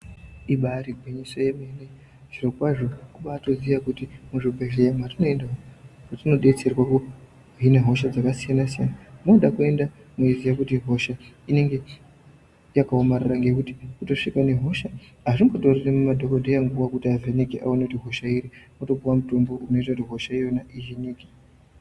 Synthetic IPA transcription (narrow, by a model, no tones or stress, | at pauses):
iɓaɾiɡʱweɲisojemene̞ | ʐirokwaʐo̞kuɓaːto̞zijakutimuʐibʱeʒejamatino̞endaoatino̞ɗe̞t͡se̞rwaku | ɦinaɦo̞ʃad͡zakasijanasijanamoɗakue̞nda | moizijakutiɦo̞ʃa | ine̞ŋɡe̞ | jakaomariraŋɡe̞kuti̥kuto̞ʂikane̞ɦo̞ʃa | ɦaʐimbotoriremumadʱokodʱejaŋɡuʋakutiavenikiʔa̰onekutiɦo̞ʃaiɾimoto̞buwamuto̞mbo̞ʔuno̞it̬akutiɦo̞ʃaijo̞naʔiviniːki̥